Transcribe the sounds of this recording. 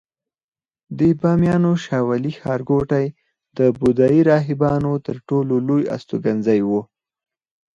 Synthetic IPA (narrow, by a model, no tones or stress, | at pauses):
d̪ebɑmjɑnoʃɑwalixɑɾɡoʈaj | d̪̥əbʊd̪ɑjiɾɑɦɪbɑnot̪əɾʈololoja̰st̪oɡanzajwu